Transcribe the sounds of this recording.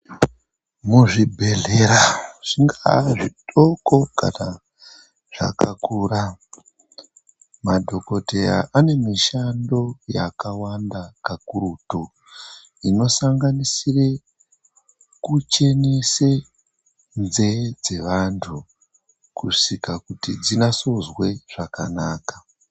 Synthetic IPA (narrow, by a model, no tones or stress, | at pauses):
muʐibʱe̞ɮe̞ɾaʐ̥iŋɡaʐiɗʼoko̞ka̰na | ʐ̥a̰kakuɾa | madʱo̞ko̞te̞ja̰ʔane̞miʃando̞jakawandakakuruto | ino̞saŋɡanisire | kut͡ʃe̞nise | nze̞d͡ze̞ʋantʰu | kuʂikakutid͡zinaso̞zwe̞ʐ̥akanaːkḁ